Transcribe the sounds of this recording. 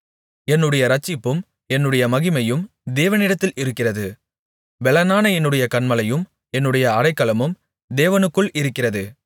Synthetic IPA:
ɛnːɯɽɐjɐɾɐt͡ʃːɪpːɯm | ɛnːɯɽɐjɐmɐɣɪmɐjɯm | d̪eːʋɐnɪɽɐt̪ːɪlʔɪɾɯkːɪrɐðɯ | ʋɛlɐnaːnɐɛnːɯɽɐjɐkɐɳmɐlɐjɯm | ɛnːɯɽɐjɐːɽɐɪkːɐlɐmɯm | d̪eːʋɐnɯkːɯɭʔɪɾɯkːɪrɐðɯ

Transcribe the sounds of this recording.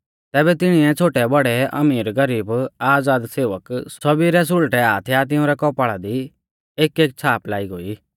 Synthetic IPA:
t̪ɛːbɛt̪ɪɽ̃iɛt͡sʰoːʈɛbɐɽɛɐ̰miːɾɡɐɾiːbaːd͡zaːd̪seːʋəkssɔbiɾɛs̬ʊɭʈɛaːt̪ʰjat̪̬ɪ̃ʊ̃ɾɛkɔːpaːɭad̪i | eːkeːk̚t͡sʰaːplaːiɡoːiː

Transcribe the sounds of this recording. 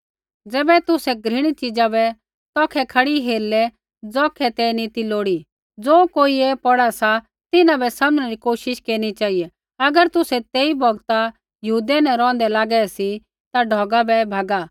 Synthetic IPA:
d͡zɛːbɛt̪ʊsɛɡɾɪɽ̃it͡ʃɪd͡zabɛ | t̪ɔːkʰɛkʰɐɽiɦeːɾlɛ | d͡zɔːkʰɛt̪ɛnit̪iloːɽi | d͡zoːkoːiepɔɽasa | t̪ɪnãbɛsaːmñɛɾikoːʃɪʃkeːɾñit͡ʃaːijɛ | ɐɡəɾt̪ʊsɛt̪eːibʱɔɡt̪a | jɐɦuːd̪ɛnɛ̃ɾɔ̃ːnd̪ɛlaːɡɛsi | t̪aɖʱɔːɡabɛbʱaːɡa

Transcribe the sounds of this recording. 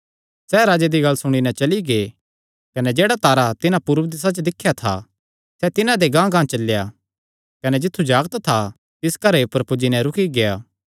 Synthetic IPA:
sɛɾaːd͡ʒed̪iɡɐlsʊɽ̃inɛ̃t͡ʃɐliɡe | kɐnɛd͡ʒeːɽat̪aːɾat̪ɪnãpuːɾʋd̪ɪs̬at͡ʃd̪ɪkʰːjat̪ʰa̰ | sɛt̪ɪnãd̪eɡãːɡãːt͡ʃɐlːja | kɐnɛd͡ʒɪt̪ʰːud͡ʒaːɡt̪t̪ʰa | t̪ɪskɐɾeʊpəɾpʊd͡ʒinɛɾʊkʰiɡejaː

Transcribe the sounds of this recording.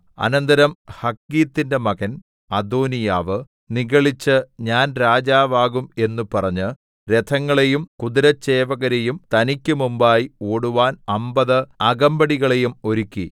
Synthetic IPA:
ɐ̰nɐnd̪ɐɾɐmhɐkːiːt̪ːinde̞mɐɣɐn | ɐd̪oːnijaːʋɨ | niɣɐɭit͡ɕːɨɲaːnɾaːd͡ʑaːʋaːɣume̞nːupɐrɐɲːɨ | ɾe̞t̪ʰɐŋːɐɭe̞jumkud̪iɾɐt͡ɕːe̞ːʋɐɣɐɾe̞jumt̪ɐnikʲːumumbaːjioːɽuʋaːnɐmbɐðɨɐɡɐmbɐɽiɣɐɭe̞jumo̞ɾukʲːi

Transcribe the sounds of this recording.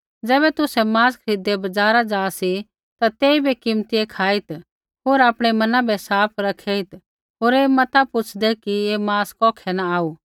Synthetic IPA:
d͡ʒɛːβɛt̪ʊsɛmaːskʰɾɪd̪ebɐd͡ʒaːɾad͡ʒaːsi | t̪at̪eːibʱikɪmt̪ijekʰaːɪt̪ | ɦoːɾaːpɽ̃ɛmɐnãbʱɛsaːpʰɾɐkʰɛːɪt̪ | ɦoːɾeːmɐt̪apʊt͡ʃʰd̪ɛkiemaːskɔːkʰɛnaaːuː

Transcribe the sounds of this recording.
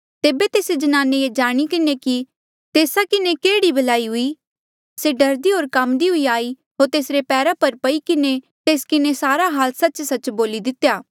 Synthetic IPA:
t̪eːbet̪eːsed͡ʒɐnaːneed͡ʒaːɽ̃ikɪneki | t̪eːsakɪnekeːɽibɐlaːiɦʊi | seɖɐɾd̪iɦoːɾkɐmd̪iɦʊiaːi | ɦoːɾt̪eːsɾepɛːɾapɐɾpɐikɪne | t̪eːskɪnesaːɾaɦaːlsɐːt͡ʃsɐt͡ʃboːlid̪ɪt̪jaː

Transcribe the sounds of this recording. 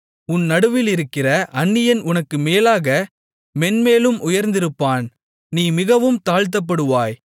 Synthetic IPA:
ʊnnɐɽɯʋɪlɪɾɯkːɪrɐʔɐnːɪjɐnʊnɐkːɯmeːlaːɣɐ | mɛnmeːlɯmʔʊjɐɾnd̪ɪɾɯpːaːn | niːmɪɣɐʋɯmt̪aːɻt̪̬ːɐp̬ːɐɽɯʋaːj

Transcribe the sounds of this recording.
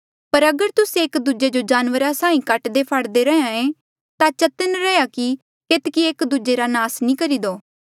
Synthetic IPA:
pəɾɐɡəɾt̪ʊseːkd̪ud͡ʒed͡ʒod͡ʒaːnʋəɾasãːĩkɐʈd̪epʰəɽd̪eɾɛãẽ | t̪at͡ʃət̪ənɾɛjaki | kɪt̪kiekd̪ud͡ʒeɾanaːsnĩːkɐɾiːd̪oː

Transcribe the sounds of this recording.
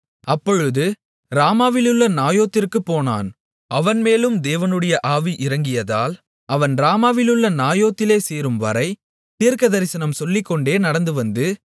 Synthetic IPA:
ɐpːɔɻɯðɯ | ɾaːmaːʋɪlɯɭːɐnaːjoːt̪ːɪrkɯpːoːna̰ːn | ʔɐʋɐnmeːlɯmd̪eːʋɐnɯɽɐjɐʔaːʋiʔɪɾɐŋɡɪjɐðaːl | ʔɐʋɐnɾaːmaːʋɪlɯɭːɐnaːjoːt̪ːɪleːseːɾɯmʋɐ̰ɾɐɪ | t̪iːɾkɐðɐɾɪsɐnɐmsɔlːɪkːɔɳɖeːnɐɽɐnd̪ɯʋɐnd̪ɯ

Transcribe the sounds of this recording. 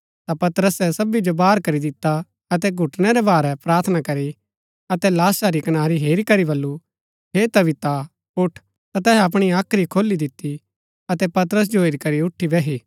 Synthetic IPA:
t̪apɐt̪ɾəsɛsɐbid͡ʒobaːɾkɐɾid̪ɪt̪ːa | ɐt̪̬ɛɡʱʊʈñɛɾɛbaːɾɛpɾaːɾt̪ʰnakɐɾi | ɐt̪ɛlaːsaɾikɐnaːɾiɦeːɾikɐɾibɐlːu | ɦeːt̪ɐbɪt̪a | ʊʈʰ | t̪at̪ɛːɦɛɐp̬ɽ̃iaːkʰɾikʰoːlːid̪ɪt̪ːi | ɐt̪ɛpɐt̪əɾəs̬d͡ʒoɦeːɾikɐɾiʊʈʰːibɛɦiː

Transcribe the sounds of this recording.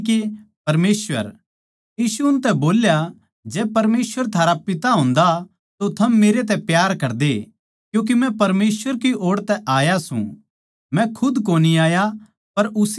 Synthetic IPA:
kepɐɾmeːsʋə̰ɾ | iːsuʊnt̪ɛboːlja | d͡ʒɛːpɐɾmeːsʋəɾt̪ʰaːɾapɪt̪aɦõːnd̪a | t̪ot̪ʰɐmːeːɾet̪̬ɛpjaːɾkɐɾd̪e | kjũːk̬imɛ̃pɐɾmeːswəɾkiʔoːɽt̪ɛʔaːjasṵ̃ | mɛ̃kʰʊd̪koːniaːja | pɐɾʊs

